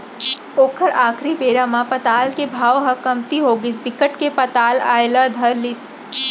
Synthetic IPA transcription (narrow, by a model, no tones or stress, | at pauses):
oːkʰəɾaːkʰɾipeːɽamãpɐt̪aːlkebʱaːʋɦɐkɐmt̪iɦoːɡɪsbɪkəʈkepɐt̪aːla̰ːelad̪ʱɐɾlɪs